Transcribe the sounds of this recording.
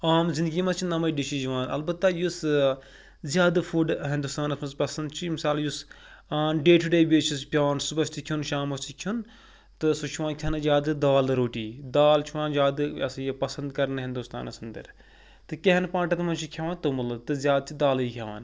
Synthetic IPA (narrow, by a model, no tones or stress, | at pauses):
aːmzind̪ɡʲiːmɐt͡ʃʰinɐmɐjɖiʃid͡ʒiʋãːnɐlbɐt̪ːɐjus | zʲjaːd̪ɨfuɖɦĩnd̪uːst̪aːnɐsmɐzpɐsɐnd̪t͡ʃʰimisaːljus | aːnɖeːʈʰuɖeːbeːt͡ʃʰispʲaːnsubɐʃt̪ʰikʰʲunʃaːmɐst͡ʃ̪ʰikʲʰjun | t̪ɨsut͡ʃʰuʋaːnkʲʰɐnɨzʲaːd̪ɨd̪ɐʋaːlɾoːʈiːd̪aːlt͡ʃʰuʋaːnzʲjaːd̪ɨɐsjɐpɐsɐnd̪kɐɾnɨɦĩnd̪ust̪a̰ːnɐsɐnd̪ɐ̰ɾ | t̪ɨkʲeɦɐnpãːɳʈɐt̪mɐnt͡ʃʰikʲʰɐʋãːnt̪umɨlt̪ɨzʲjaːd̪̚t͡ʃʰid̪aːlikʲʰɐʋa̰ːn